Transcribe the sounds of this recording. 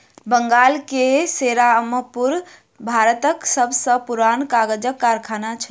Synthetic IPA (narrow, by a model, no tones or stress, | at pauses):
bəŋɡalkeseɾaəməpuɾ | bʱaɾət̪əksəbʱsə̃puɾankaɡəd͡ʒəkːaɾkʰanat͡ʃʰə